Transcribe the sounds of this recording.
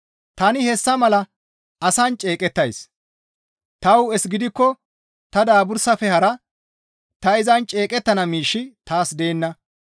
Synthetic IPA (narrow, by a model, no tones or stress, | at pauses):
t̪ɐnɪhɛsːɐmɐlɐ | ɐsɐnt͡ʃʼe̞ːkʼɛt̪ːɐjs | t̪ɐwɛsɡɪd̪ɪkːɔ | t̪ɐd̪aːbʊɾsɐfɛhɐɾɐ | t̪ɐɪzɐnt͡ʃʼe̞ːkʼɛt̪ːɐnɐmiːʃːɪt̪aːsd̪e̞ːnːɐ